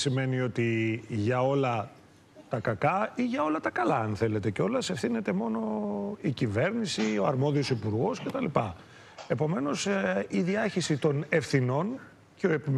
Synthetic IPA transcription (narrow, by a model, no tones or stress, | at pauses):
sime̞nio̞t̪iʝɐo̞lɐ | t̪ɐkɐkɐiʝɐo̞lɐt̪ɐkɐlɐɐnθe̞le̞t̪e̞ceo̞lɐsefθine̞t̪e̞mo̞no̞icive̞ɾnisio̞ɐɾmo̞ðio̞sipuɾɣo̞sce̞t̪ɐlipɐ | e̞po̞me̞no̞siðiɐçisit̪o̞ne̞fθino̞n | ceo̞epim